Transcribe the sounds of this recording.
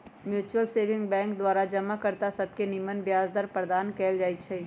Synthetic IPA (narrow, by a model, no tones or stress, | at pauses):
mjuːt͡ʃuwəlseːʋɪ̃ŋɡbɛ̃ːŋkd̪waːɾad͡ʒɐmakɐɾt̪asɐb̚kenimənbjaːzd̪əɾpɾəd̪aːnkɛːld͡ʒaːit͡ʃʰɐi